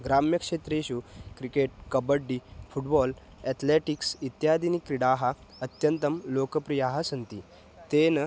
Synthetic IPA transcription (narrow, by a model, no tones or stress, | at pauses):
ɡɾamjəkʂet̪ɾeɕukɾikeʈ̚kəbəɖːifuʈbɔl | ɛt̪ʰleʈiksit̪jad̪inikːɾiɽaɦa | ət̪jənt̪əmlokəpɾijaɦasənt̪i | t̪en